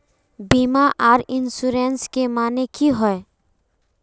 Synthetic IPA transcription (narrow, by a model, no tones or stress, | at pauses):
biːmaʔaːɾɪnsuːɾeːnskemaːnekʰiɦɔe